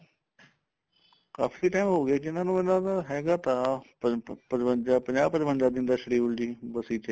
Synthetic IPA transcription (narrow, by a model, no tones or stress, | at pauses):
ka̰ːfʰiːʈaːɪmɦoːɡɪaːd͡ʒɪnãːnũːɪnãːd̪aɦɛːɡaːt̪ã | pəɾəd͡ʒapəɲd͡ʒaːbpːəɾbənd̪aːd̪ɪ̃nd̪aːʃəɽiːʋʊld͡ʒiːbəsiːt̪eː